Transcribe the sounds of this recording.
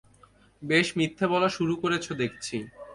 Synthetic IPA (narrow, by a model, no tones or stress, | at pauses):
beʃmit̪ʰːebɔlaʃuɾukoɾet͡ɕʰod̪ek̚ʰt͡ɕʰi